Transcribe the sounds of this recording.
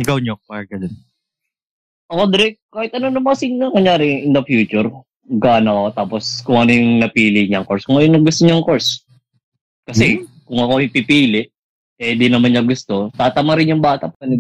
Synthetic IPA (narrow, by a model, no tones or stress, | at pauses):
ɪkɐwɲopɐɹɡɐd̪n | ʔɐkod̪ɾɛkaːhɪt̪̚ʔɐnonɐmɐkɐsinnɐŋɐŋjaːɾɪʔɪnd̪ɐfjuːt͡ʃʊɾ | ɡaːnɐkot̪aːposkʊŋʔɐnojʊŋnɐpiːlɪɲɐŋkoɹskʊŋʔɐjonɐɡʊst̪oɲaŋkoɹs | kɐsɛkʊŋʔɐkoɪpipiːlɪʔ | ɛd̪inɐmanɲːɐɡʊst̪o̞t̪aːt̪ɐmaɾɪnjʊŋbaːt̪ɐpɐkɐnɪ